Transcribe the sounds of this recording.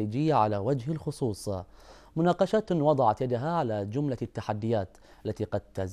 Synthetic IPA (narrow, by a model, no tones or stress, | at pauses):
iːd͡ʒɪjːaʕalawad͡ʒhɪlxʊsˤuːsˤɑ | mʊnɑːqɑʃaːt̪wɑd̪ˤɑʕɑt̪jad̪aɦaʕalad͡ʒʊmlat̪ːaħad̪ːɪjaːt̪ | ʔalːat̪iːqɑd̪̚t̪az